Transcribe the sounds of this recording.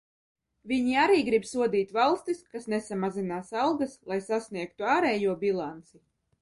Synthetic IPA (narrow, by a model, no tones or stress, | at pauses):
vʲiɲiaɾiːɡɾibsuɔd̪iːt̪ʲvalˠst̪iskasnɛsamazinaːsɑlˠɡaslˠajsasniɛk̚t̪uɑːɾɛːjuɔbilˠant̪si